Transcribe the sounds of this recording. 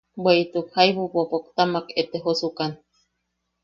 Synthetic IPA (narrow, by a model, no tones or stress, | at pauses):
bweit̪ukhaiβupopokt̪amaket̪eɦosukan